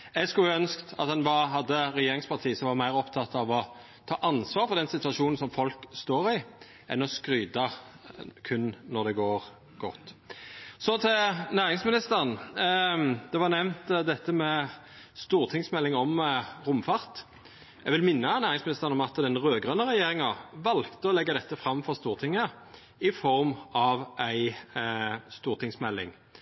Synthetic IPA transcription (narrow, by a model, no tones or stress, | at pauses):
ɛɡskʉlœnskt̪ɑ̰t̪ɑnʋɑɦɑd̪ːəɾɛjeːɾʁɪŋspʰɑʁt̪ʰiːsɔmʋɑʁmæɪʁɔpt̪ʰɑt̪ːɑʋɔ | t̪ʰɑːʔɑnsʋɑːɾfɔʁd̪ɛnsɪt̪ʉɑʂuːnn̩sɔmfɔlkst̪oːɾɪ | ʔɛ̰nɔskɾyːd̪ɑ | kʰʉnːɔʁd̪ɛɡoːɾ | ɡ̥ɔt̪ː | sɔt̪ʰɪnæːɾɪŋsmɪnɪst̪əʁən | d̪̥ɛʋɑʁnɛʋnt̪d̪ɛt̪ːəmɛ | st̪uːʁt̪ʰɪŋsmɛlːɪŋɔmʁʊmfɑʁt̪ | ɛɡʋɪlmɪnːənæːʁɪŋsmɪnɪst̪əʁənɔmɑt̪d̪ɛnʁøːɡɾœnəʁɛjeːʁɪŋɑʋɑlkt̪əɔlɛɡːɑd̪ɛt̪ːəfɾɑmːfɔʁst̪uːʁt̪ʰɪŋːə | ɪfɔɾmɑʋæɪ | st̪uːʁt̪ʰɪŋsmɛlːɪ̰ŋ